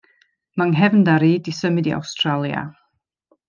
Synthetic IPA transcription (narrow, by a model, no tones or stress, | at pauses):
maŋɦɛvndaɾiːdisəmɪdia̰wstralˠja̰